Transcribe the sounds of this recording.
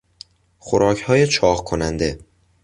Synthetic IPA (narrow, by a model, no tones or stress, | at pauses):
xoɾɒːcʰhɒːjet͡ʃʰɒːɣkʰonænd̪e̞